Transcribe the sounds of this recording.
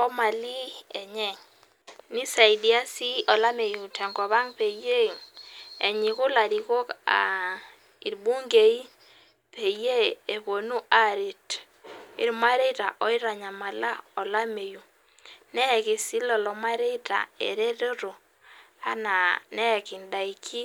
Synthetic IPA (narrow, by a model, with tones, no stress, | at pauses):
ɔ˦ma˨li˦ɛ˨ɲɛ˦˨ŋ | ni˦sa˨i˨di˦a˦si˦ʔɔ˨la˦me˨ju˨tʰɛ˨ŋɡɔ˨βa˦ŋpe˨je˦ | ɛ˨ɲi˨ku˦la˨ɾi˨ko˦ka̰˨ | i˨ɾbu˦ŋɡe˨i˦ | pe˨je˦e˨βo˨nu˦ʔa˨ɾe˨t | ḭ˨ɾma˦ɾe˦ta˨ʔɔ˦i˦ɾa˨ɲa˨ma˨la̰˦ɔ˨la˦me˨ju˨ | nɛ˦ɛ˨ki˨si˦lɔ˨lɔ˨ma˦ɾe˦ta̰˨ḛ˨ɾe˦ɾo˦ɾo˨ | a˦na˨nɛ˦˨ki˨nda˨i˨kʰi˦